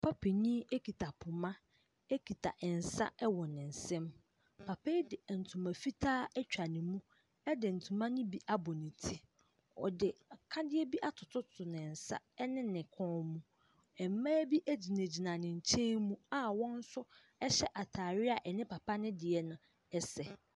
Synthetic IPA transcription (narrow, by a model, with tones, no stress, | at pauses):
pʰa˦pʰe˨ɲĩ˦e˦kʰi˨tʰa˨pʰʊ˨mã˦ | ɛ˦kʰi˨tʰa̰˨ʔɛ˨n̩˨sa̰˦ɛ˦wɔ˨nɪ̃˨n̩˨sɛ̃˦m | pʰa˨pʰe˦dɪ˨n̩˨tʰũ˨mã˨fi˦tʰaː˦ɛ˦t͡ɕᶣa˨nɪ̃˨mũ˦ | ɛ˦dɪ˨n̩˨tʰũ˨mã˦nɪ̃˦bi˦ʔa˦bɔ˨nĩ˨tʰi˦ | ɔ̰˨dɪ˨kʰa˦dɪ˦ɛ˦bi˦ʔa˨tʰʊ˨tʰʊ˦tʰʊ˨nɪ̃˨n̩˨sa̰˦ɛ˦nɪ̃˦nɪ̃˨kʰɔ̃ː˦mũ˦ | ɛ˨m˦mã˦bi˦ʔæ˦d͡ʑi˨nẽ˨d͡ʑi˨nã˨nɪ̃˨ɲ̩˨t͡ɕʰɛ̃˦mũ˦a˦wɔ̃˦n̩˦sʊ˦ | ɛ˦ɕɛ˦ʔa˨tʰaː˨ɾɪ˦a˨ʔɛ˨nɪ̃˦pʰa˨pʰa˦nɪ̃˦dɪ˨ɛ˦nʊ̃˨ | ɛ˦sɛ˨